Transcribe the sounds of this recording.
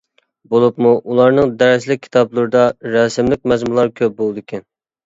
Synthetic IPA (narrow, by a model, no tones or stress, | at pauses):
bolˠupmuʔulˠɑɾnɨŋd̪ɛɾɪslɪk̚ʲʰːi̥t̪ʰɑblˠuɾɨd̪ɑɾɛsɪmlɪk̚ʲmɛzmulˠɑɾkʲʰøp̚bolˠd̪ɨkʲʰɛn